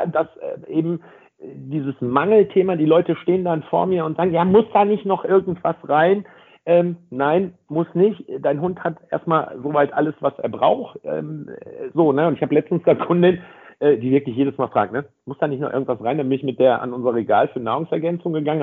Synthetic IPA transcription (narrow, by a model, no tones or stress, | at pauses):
d̥asʔɛ̰ːʔeːbm̩ | d̥iːzəsmaŋl̩tʰeːmaːdiːlɔʏtəʃteːəndanfo̰ːɐmiːɐʊntz̥aːɡŋnjaːmʊsd̥aːnɪçtnɔχʔɪɐɡŋ̩tv̥asʁaɪn | ʔɛːmnaɪnmʊsnɪçtːd̥aɪnɦʊnthatʔḛɐstmaːlzoːvaɪtʔa̰ləsv̥asʔeːɐbʁa̰ʊxʔɛ̰ːmzoːnəʊntɪçhaːbəlɛt͡stn̩sd̥aːkʰʊndɪnʔɛːdiːvɪɐklɪçjeːdəsmaːlfʁ̥aːk̚tnə | mʊsd̥aːnɪçtnɔχʔɪ̰ɐɡŋ̩tv̥asʁaɪndabɪnɪçmɪt̚d̥eːɐʔa̰nʔʊnzəʁɐəʁeɡa̰ːlfyːɐnaːʁʊŋsɛɐɡɛnt͡sʊŋɡəɡaŋən